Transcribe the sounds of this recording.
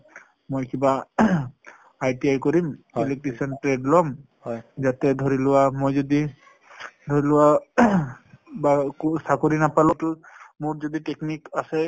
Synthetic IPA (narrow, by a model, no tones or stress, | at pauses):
mojkiba | ajtiajkɔɹimilek̚ʈisɔntɹedlɔm | zatɛdʱoɹilʊwamojzɔdi | dʱoɹilʊwa | baksakoɹinapalɔtʊmʊɹzɔditeknikasɛ